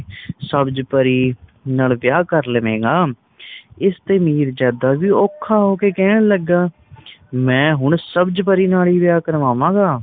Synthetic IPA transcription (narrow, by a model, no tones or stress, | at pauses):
səbd͡ʒpəɾiːnaːlʋɪjaːkəɾləʋẽːɡaː | ɪst̪eːmiːɾd͡ʒjaːd̪aːʋiːɔːkʰːaːɦoːkeːkɛːɳləɡːaː | mɛ̃ːɦʊɳsəbd͡ʒpəɾiːnaːliːʋɪjaːkəɾʋaːʋãːɡaː